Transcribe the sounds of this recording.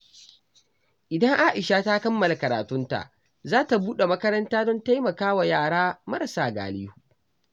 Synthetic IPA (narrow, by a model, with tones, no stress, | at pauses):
ʔɪ˨dɐ˦ŋʔaː˦ʔɪ˨ʃa˦ta˦kɐ˦mːɐ˨la˨kɐ˨ɾa̰ː˨tʊ˦nta̰˨ʔ | zaː˦ta˨buː˦ɗe˨mɐ˦kɐ˦ɾɐ˦ntaː˦dɔ˦nta˦jmɐ˨kaː˦wa˨jaː˦˨ɽaː˦mɐ˦ɾa˨saː˨ɡa̰ː˨liː˦huː˨